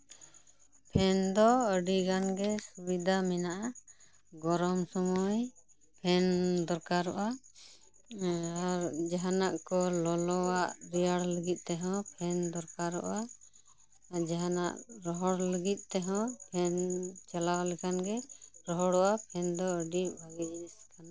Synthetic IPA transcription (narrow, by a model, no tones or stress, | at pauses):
pʰɛnd̪ɔəɖiɡanɡɛsubid̪ʱamɛnaʔa | ɡɔɾɔmsɔmɔj | pʰɛnd̪ɔɾkaɾɔʔa | aɾd͡ʒaɦanaʔkɔlɔlɔwaʔɾijaɽləɡit̪̚ˀt̪ɛɦɔ̃pʰɛnd̪ɔɾkaɾɔ̰ʔa | d͡ʒaɦanaʔɾɔɦɔɽləɡit̪̚ˀt̪ɛɦɔ̃pʰɛnt͡ʃalawalɛkʰanɡɛɾɔɦɔɽɔʔapʰɛnd̪ɔəɖibʱaɡid͡ʒiiskana